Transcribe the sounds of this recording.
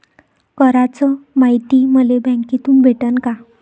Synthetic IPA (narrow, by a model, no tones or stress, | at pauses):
kəɾat͡sɔmait̪iməlebʱɛ̃ŋkit̪uːnbʱeʈənka